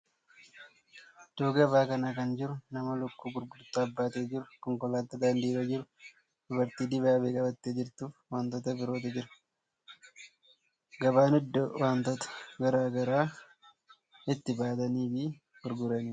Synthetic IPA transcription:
d̪̥oːɡɐbaːkɐnakɐnd͡ʒɪɾʊnɐmɐlʊkːuːɡʊɾɡʊd̪ʊt̪ːɐːbːaːt̪eːd͡ʒɪɾʊkɔŋkɔlaːt̪ːɐd̪aːnd̪iːɾɐd͡ʒɪɾʊ | d̪̥ʊbɐɾt̪iːd̪ɪbaːbeːkʼɐbɐt̪ːeːd͡ʒɪɾt̪uːfwaːnt̪ɔt̪ɐbɪɾoːt̪ɪd͡ʒɪɾɐ̥ | ɡɐbaːnɛd̪ːɔwaːnt̪ɔt̪ɐ̥ɡɐɾaːɡɐɾaː | ɪt̪ːɪbaːt̪ɐniːfɪ | ɡ̥ʊɾɡʊɾɐniː

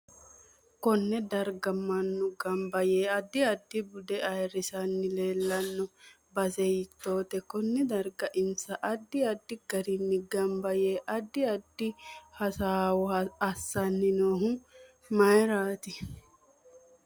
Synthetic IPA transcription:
kɔnːɛd̪ɐɾɡɐmɐnːʊɡɐmbɐjeːɐd̪ːɪɐd̪ːɪbʊd̪ɛʔɐjɾɪsɐnːɪleːlːɐnːɔ | bɐsɛjɪt̪ːo̞ːt̪ɛkɔnːɛd̪ɐɾɡɐʔɪnsɐʔɐd̪ːɪɐd̪ːɪɡ̥ɐɾɪnːɪɡɐmbɐjeːʔɐd̪ːɪɐd̪ːɪhɐsaːwɔɐsːɐnːɪnoːɦʊ | mɐjɾaːt̪ɪ

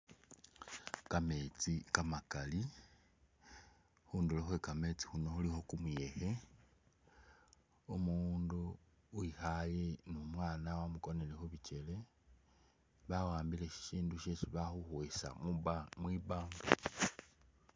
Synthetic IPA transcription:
kame̞t͡sikamakali | xuːnduloxwekame̞t͡si̥xuno̞xulixo̞kumuje̞xe̞ | umuːndu | wixaje̞numwaːnawamuko̞ne̞lexuβit͡ʃe̞le̞ | βawaːmbile̞ʃi̥ʃiːnduʃesiβaxuxwesa̰mwiβaːŋɡo

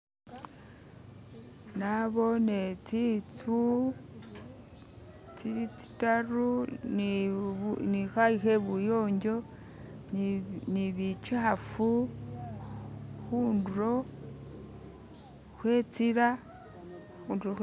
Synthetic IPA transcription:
naβo̞net͡sit͡su | t͡sit͡si̥tarun | nixaixeβujoːɲɟo̞ | niβit͡ʃafu | xuːnduɾo̞ | xwe̞t͡siɾa | xuːnduɾo

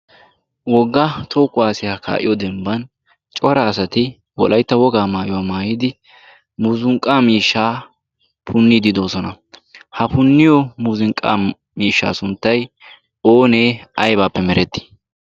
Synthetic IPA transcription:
wɔɡːat̪ʰoːkːʊwaːsɪjakʰa̰ːʔɪjɔd̪ɛmbɐn | t͡ʃʼɔɾɐːsɐt̪ɪ | wɔ̰lʔɐjt̪ːɐwɔɡaːmaːjʊwaːmaːjɪd̪ɪ | muːzʊŋkʼːaːmiːʃːaː | pʰʊnːid̪ɪd̪o̞ːsɔnɐ | hɐpʊnːɪjɔmuzɪŋkʼːa̰ː | miːʃːa̰ːsʊnt̪ːɐj | o̞ːneːɐjbaːpːɛmɛɾɛt̪ːɪ̥

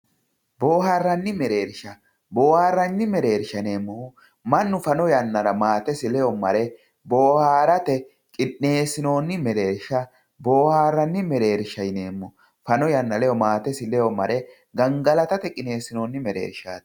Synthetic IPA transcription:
bo̞ːhaːrːɐnːɪmɛɾe̞ːɾʃɐ | bo̞ːhaːrːɐnːɪmɛɾe̞ːɾʃɐne̞ːmːɔʊ | mɐnːʊfɐnɔjɐnːɐɾɐmaːt̪ɛsɪlɛjɔmɐ̰ɾɛ | bo̞ːhaːɾɐt̪ɛ | kʼɪnːe̞ːsɪno̞ːnːɪmɛɾe̞ːɾʃɐ | bo̞ːhaːrːɐnːɪmɛɾe̞ːɾʃɐjne̞ːmːɔ | fɐnɔjɐnːɐlɛjɔmaːt̪ɛsɪlɛjɔmɐɾɛ | ɡɐŋɡɐlɐt̪ɐt̪ɛkʼɪne̞ːsɪno̞ːnːɪmɛɾḛːɾʃa̰ːt̪

